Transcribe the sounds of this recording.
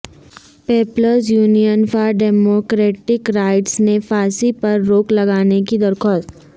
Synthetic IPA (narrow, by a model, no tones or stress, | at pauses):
peːpləɾzjuːnijənfaːɖɛːmoːkɾeːʈɪkɾaːɪʈsnefaːsipɐɾːoːklɐɡaːnekid̪ɐɾxʰɔːst̪